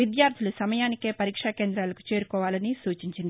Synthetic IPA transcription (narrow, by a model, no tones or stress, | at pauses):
id̪jaːɾd̪ʱilusɐmɐjaːnike̞ːpɐɾiːkʂaːke̞ːnd̪ɾaːlɐku̥t͡ʃe̞ːɾukɔːʋaːlɐnisuːt͡ʃiɲt͡ʃind̪ii